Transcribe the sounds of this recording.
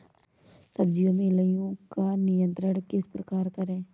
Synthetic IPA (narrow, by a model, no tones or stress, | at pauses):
sɐb̚d͡ʒijõmẽləjõkanɪjə̃nt̪ɾəɽ̃kespɾɐkaːɾkɐɾẽː